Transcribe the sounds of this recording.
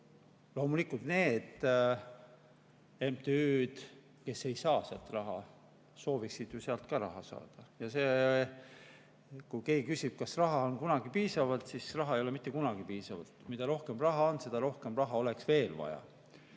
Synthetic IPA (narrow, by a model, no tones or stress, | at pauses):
lo̞ːmulikˑult̪ne̞ːd̪̥ | e̞mpt̪eyːd̪̥ | ke̞se̞jsɑːseɑlt̪rɑɦɑ | so̞ːviksid̪̥juseɑlt̪̚kɑɾɑ̰ɦɑsɑ̰ːd̪̥ɑjɑse̞ | kujke̞ːɡ̥ikysʲib̥̚kɑsrɑɦɑonkunɑɡ̥ipiːsɑvɑlt̪sisrɑɦɑejo̞lemit̪ˑːe̞kunɑɡ̥ipiːsɑvɑ̰lt̪mid̪̥ɑɾo̞hke̞mrɑɦɑo̞nse̞d̪̥ɑɾo̞hkemrɑɦɑo̞le̞ksve̞ːlvɑ̰jɑ̰